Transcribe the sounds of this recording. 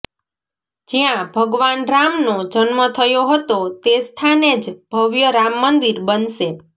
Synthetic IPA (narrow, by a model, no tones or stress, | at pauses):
d͡ʒijãbʱəɡʋanɾamnod͡ʒənmət̪ʰəjoɦət̪ot̪est̪ʰaned͡ʒb̥ʱəʋjəɾamːənd̪iɾbənʃe